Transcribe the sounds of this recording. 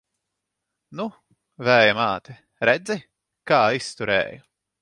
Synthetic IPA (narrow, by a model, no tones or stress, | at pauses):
nu | væːjamaːt̪ɛ | ɾɛd̪zi | kaːist̪uɾɛ̰ːjʊ